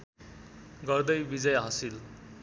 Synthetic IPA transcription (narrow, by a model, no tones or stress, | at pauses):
ɡʌrd̪ʌjbid͡zʌjɦʌsil